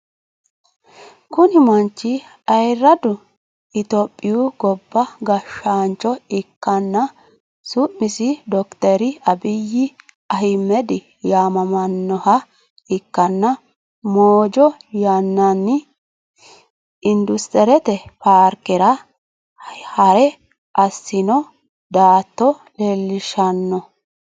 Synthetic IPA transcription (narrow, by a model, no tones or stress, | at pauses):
kʊnɪmɐnt͡ʃːɪ | ɐjrːɐd̪ʊ | ɪt̪ɔpʼːɪjuɡɔbːɐɡɐʃaːnt͡ʃːɔɪkːɐnːɐ | sʊʔmɪsɪd̪ɔkt̪ɛɾɪɐbɪjːɪ | ɐhɪmːɛd̪ɪ | jaːmɐmɐnːɔhɐ | ɪkːɐnːɐ | moːd͡ʒɔjɐnːɐnːɪ | ɪnd̪ʊst̪ɛɾɛt̪ɛpaːɾkɪɾɐ | hɐɾɛ | ʔɐsːɪnɔ | d̪aːt̪ːɔ | lelːɪʃɐnːɔ